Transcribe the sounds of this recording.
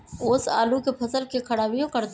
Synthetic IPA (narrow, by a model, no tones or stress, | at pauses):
ʊːsa̰ːlukepʰɐsəlkekʰɐɽaːʋijõkɐɾt̪